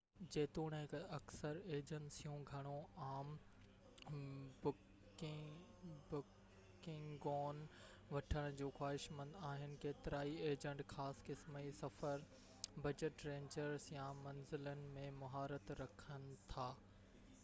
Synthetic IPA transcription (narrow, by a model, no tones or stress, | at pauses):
d͡ʑeːt̪oːɽ̃ɦɪkɐksəɾeːd͡ʑənsijũɡʱɐɽ̃õaːm | bʊ | kɪ̃ŋɡɔːn | ʋɐʈʰəɽ̃̆d͡ʑoːxwaːɦɪʃmə̃nd̪aːɦɪnɪ̆keːt̪ɪɾaːieːd͡ʑə̃ɳʈxaːskɪsmisɐfəɾ | bɐd͡ʑəʈɾẽːɲd͡ʑəɾsjãmɐnzɪlənɪ̆mẽmɐɦaːɾət̪ɾɐkʰənɪ̆t̪ʰaː